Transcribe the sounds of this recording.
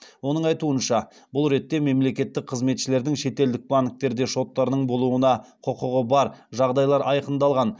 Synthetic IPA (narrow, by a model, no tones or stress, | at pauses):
wo̞nəɴɑjt̪uənʃɑ | bʊlˠɾe̞t̪ːe̞me̞mle̞kʲe̞t̪ːɪk̚qʰəzme̞t̪ʃɪle̞ɾd̪ɪŋʃe̞t̪e̞ld̪ɪk̚baŋk̚t̪e̞ɾd̪e̞ʃo̞t̪ːɑɾnəɴbo̞lˠuənɑqʰʊqʊʁəbɑɾʒɑʁd̪ɑjlˠɑɾɑjqənd̪ɑlˠʁɑn